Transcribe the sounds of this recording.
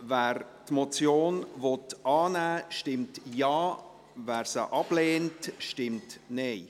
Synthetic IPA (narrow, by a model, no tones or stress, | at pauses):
væːɾ | tmot͡sjoːnvɔtɑːnæːʃtɪmtjɑː | væːɾsəʔɑb̥leːntʃtɪmtneɪ